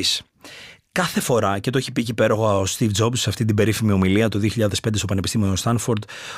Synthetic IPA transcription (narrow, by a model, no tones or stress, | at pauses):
s | kɐθe̞fo̞ɾɐce̞t̪oeçipicipe̞ɾo̞ɣoɐost̪ivd͡zo̞bsseɐft̪int̪ibe̞ɾifimio̞miliɐt̪o̞ðioçiʎɐðespnd̪eso̞pɐne̞pist̪imioost̪ɐnfoɾd̪